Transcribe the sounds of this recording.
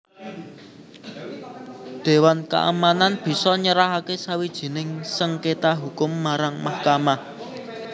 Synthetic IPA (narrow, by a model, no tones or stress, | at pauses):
d̪̥e̤wanka̰ʔa̰mananb̥i̤sɔɲəɾaɦakesawid̥ʒ̥i̤nɪŋsəŋket̪aɦukʊmːaɾaŋmahkama